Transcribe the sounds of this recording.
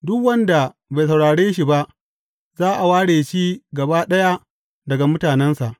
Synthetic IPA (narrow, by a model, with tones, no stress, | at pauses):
dʊ˦kwɐ˦nda˨ | ba˨js̬ɐ˨wɽaː˨ɽeː˦ʃi˨ba˦ʔ | zaː˦ʔa˨waː˦ɽeː˨ʃi˦ɡɐ˨baː˦ɗɐ˦ja˦ | dɐ˨ɡa˨mʊ˦taː˨nɛ˦nsa˨ʔ